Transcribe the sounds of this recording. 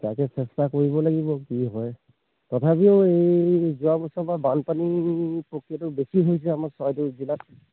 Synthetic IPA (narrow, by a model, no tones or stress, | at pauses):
tajkɛsɛstakoɹibɔlaɡibɔkiɦɔj | tɔtʰapioejjzuabɔsɔbabanpanipokiatʊbesiɦojsɛamaɹsɔjduzilat̚